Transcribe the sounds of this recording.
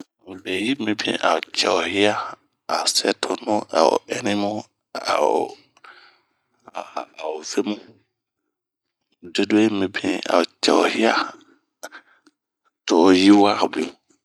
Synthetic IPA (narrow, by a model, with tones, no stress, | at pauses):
bɛ˨ji˦mĩ˨bḭ̃˨ʔa̰˨wo˨t͡ʃʰɛ̰˨o˨hɪ˦a˦ | a̰˨sɛ˦tʰʊ˨nʊ̃˦a̰˨wo̰˨ɛ˨nĩ˦mʊ̃˦ | a̰˨o˨ | a˨wo˨ve˦mũ˦ | de˦dʊ˦e˦mĩ˨bĩ˨a̰˨wo˨t͡ʃɛ̰˨wo̰˨hi˦a˦ | tʰo˨ji˦wa˦˨bu˨